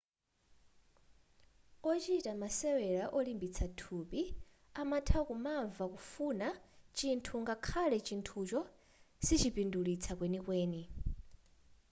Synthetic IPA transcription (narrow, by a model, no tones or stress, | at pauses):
ɔt͡ʃitamasɛwɛɺaʔɔlimbit͡sʰatʰupi | amatʰakumaɱvakufunat͡ʃintʰuŋɡakʰalɛt͡ʃintʰut͡ʃɔ | sit͡ʃipindulit͡sʰakwenikweːni